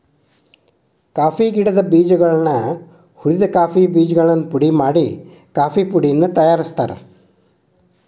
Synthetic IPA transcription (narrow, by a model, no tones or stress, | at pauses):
kaːfiɡiɽɐd̪ɐbiːd͡ʒɐɡɐɭɐnːɐ | huɾid̪ɐkaːfibiːd͡ʒɡɐɭɐnːupuɽimaːɽi | kaːfipuɽijɐnːut̪ɐjaːɾist̪aːɾḛ